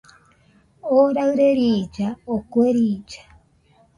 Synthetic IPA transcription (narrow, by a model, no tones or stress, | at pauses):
oɾaɣɯɾeɾid͡ʒaokweɾiːd͡ʒḁ